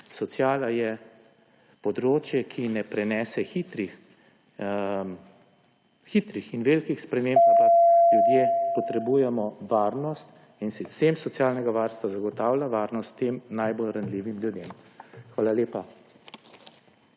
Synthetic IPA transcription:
sɔt̪sjaːlajɛ | pɔd̪ɾoːt͡ʃjɛkʰinɛpɾɛnɛːsɛxit̪ɾix | xit̪ɾixinʋeːlkixspɾɛmeːmbljud̪jeːpɔt̪ɾɛbuːjɛmɔʋaːɾnɔst̪ | insist̪eːmsɔt̪sjaːlnɛɡaʋaɾst̪ʋazaɡɔt̪aːwlʲaʋaːɾnɔst̪ːeːmnajbolɾanliːʋimljud̪eːmxʋaːlaleːpa

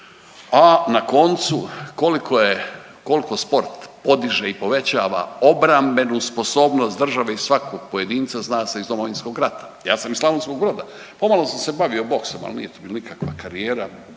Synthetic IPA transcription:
anako̞nt̪suko̞likʰoje | ko̞liko̞spo̞ɾt̪po̞d̪iʒeipo̞ʋe̞t͡ɕaːʋa̰o̞bɾambe̞nusposo̞ːbnost̪d̪r̩ʒaʋeizsʋakoɡ̥̚poje̞d̪iːnt̪saznaːsaizd̪o̞mo̞ʋinsko̞ɡɾat̪ḁ | jaːsamizlˠaʋonsko̞ɡ̚bɾo̞d̪a | po̞malˠo̞samse̞baʋio̞bo̞ksoma̰lnḭjet̪ubilanikakʋakaɾijeːɾa

